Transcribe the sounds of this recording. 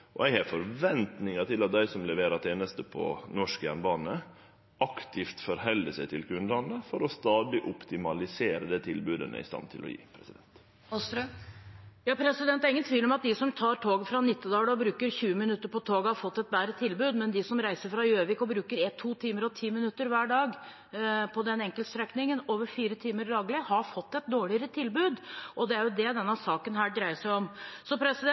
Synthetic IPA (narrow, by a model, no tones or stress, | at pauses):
ʔɔɛɡhɑfɔɾʋɛnt̪nɪŋɑt̪ʰɪlɑt̪̚d̪æɪsɔmlɛʋeːɾɑt̪ʰeːnəst̪əpʰɔ̰nɔʂkjæ̰nbɑːnə | ʔɑkt̪ʰɪft̪fɔɾɦɛlːəsɛɪt̪ʰɪlkʰʉnlɑnəfɔɾɔst̪ɑːd̪ɪʔʊpt̪ɪmɑlɪseːɾəd̪ɛt̪ʰɪlbʉːd̪ə̰nə̰ɪ̰st̪ɑ̰nt̪ʰɪ̰lʔɔ̰jḭːpʰɾɛsɪd̪ɛnt̪ | jɑːpʰɾɛsɪd̪ɛnt̪ːæɾɪŋːənt̪ʰʋiːlɔmɑt̪̚d̪ɪsɔmt̪ʰɑːɾʈʰoːɡəfɾɑnɪt̪ːəd̪ɑːɽəɔbɾʉːkəɾçʉːəmɪnʉt̪ːəɾpɔt̪ʰoːɡhɑɾfɔt̪ːɛt̪̚bæːɾət̪ʰɪlbʉːd̪mɛnd̪ɪsɔmɾæɪsəɾfɾɑjøːʋɪːkɔbɾʉːkəɾɛt̪ʰːuːt̪ʰiːməɾɔt̪ʰiːmɪnʉt̪ːəɾʋæːɖɑːɡ | pʰɔd̪ɛnɛŋkəlt̪st̪ɾɛknɪŋənoːʋəɾfiːɾət̪ʰiːməɾd̪ɑːɡlɪhɑɾfɔt̪ːɛt̪̚d̪oːɭɪəɾət̪ʰɪlbʉːd̪ɔd̪ɛæɾjʊd̪ɛd̪ɛnːɑsɑːkənɦæːɖɾæɪəʂæɪɔmsɔpʰɾɛsɪd̪ɛ